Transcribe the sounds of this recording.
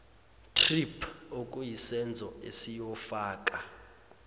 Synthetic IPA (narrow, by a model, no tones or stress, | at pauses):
tʰripʰokʼujisɛnd͡zʱɔesijɔfaːkʼa